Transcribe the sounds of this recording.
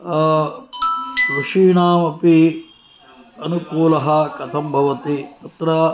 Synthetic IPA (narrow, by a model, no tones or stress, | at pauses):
ɾuʂiːɳaːmɐpi | ɐnukuːlɐɦɐkɐt̪ʰɐmbʱɐʋɐt̪it̪ɐt̪ɾɐ